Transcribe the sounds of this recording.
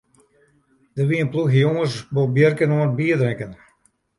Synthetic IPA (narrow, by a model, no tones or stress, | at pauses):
d̥ərʋiənpluxəjoŋəsbobjərkənoənt̚biədrɪŋkən